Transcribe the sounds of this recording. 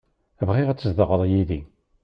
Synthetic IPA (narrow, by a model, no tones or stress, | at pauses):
əvʁɪʁæt͡sːəzðəʁəðˤjiði